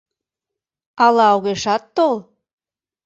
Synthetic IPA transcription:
ɑlɑoɣeʃɑt̪ːol

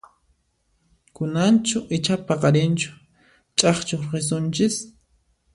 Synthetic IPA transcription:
kʊnant͡ʃʊʔɪt͡ʃapaqɑɾɪnt͡ʃʊ̥ | t͡ʃʼɑχt͡ʃoχɪs̬ʊnt͡ʃɪs

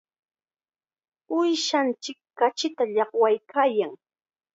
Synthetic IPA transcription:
ʊjʃant͡ʃɪkːat͡ʃɪt̪aʎɑχwajkʰaːjaŋ

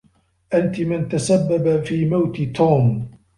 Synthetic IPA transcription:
ʔant̪ɪmɪnt̪asabːabafiːmawt̪ɪt̪ʰuːm

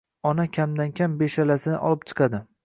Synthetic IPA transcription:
ɒnakʲʰamd̪ankʲʰambeʃalasɪnɪ̰ʔɒ̰lɪp̚t͡ʃʰɨ̥qʰɑd̪ɪ

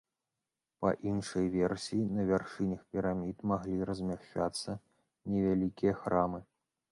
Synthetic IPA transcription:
pɐ̰ʔinʂɐjvʲɛrsʲijːnɐvʲarʂɨnʲɐxpʲɛɾamʲit̪maɣlʲiɾɐzʲmʲaʂt͡ʂat̪sːɐ | nʲɛvʲalʲikʲijɐxɾamɨ

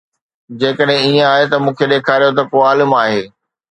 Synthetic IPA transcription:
d͡ʑeːkəɗɦɪ̃iẽaːɦet̪ɐmũːkʰeɗeːkʰaːɾijot̪̬ɐkoːaːlɪmaːɦeː

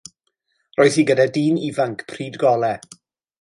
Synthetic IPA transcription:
rɔːɨθhiɡədadiːnivaŋkʰpʰriːdɡɔlˠɛ

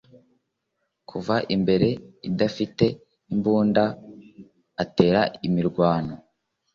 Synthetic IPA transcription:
kʰuvaʔimbe̞ɾe̞idafite̞ | imbuːnda | ate̞ːɾaimiɾɡwaːno

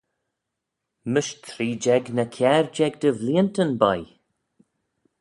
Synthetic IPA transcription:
məʃt̪ʰɾiːd͡ʒɛɡnəkʰjɛɹd͡ʒɛɡ̚d̪əvliəntənbaj

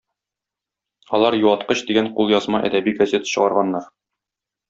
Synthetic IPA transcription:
ɒlˠɑɾjuwˠɑt̪qɤɕd̪iɡæɴqulˠjɒzmɑʔæ̰d̪æbiɡɐzʲe̞t̪ə̥ɕɤ̆ʁɑɾʁɑnːɑɾ

